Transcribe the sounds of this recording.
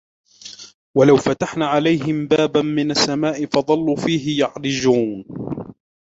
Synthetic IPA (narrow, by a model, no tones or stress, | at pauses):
walawfat̪aħnaːʕalajɦɪmbaːbanmɪnasːamaːʔɪfɑd̪ˤɑlːuːfiːɦɪjɑʕɾɪd͡ʒuːn